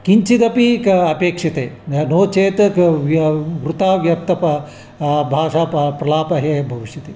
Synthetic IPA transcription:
kiɲt͡ʃit̪ɐpikɐpeːkʂɐt̪eːnoːt͡ʃeːt̪ʋʋɾut̪aːʋjɐp̚t̪ɐp | bʱaːʂaːpɾɐlaːpɐɦebʱɐʋiʂjɐt̪ḛː

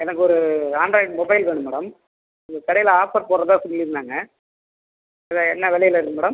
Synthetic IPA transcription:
ɛnɐkːɯɔɾɯaːɳɖɾɐɪɖmɔbɐɪlʋeːɳɯmːɛːɽɐm | ɪŋɡɐkɐɽɐjɪlaːpɐɾpoːɾɾɐðãːsɔlːiɾɯnːaːŋɡɐ | ɐðaɛnːɐʋɛɭɐjɪlɐɪɾɯkːɯmɛːɽɐm

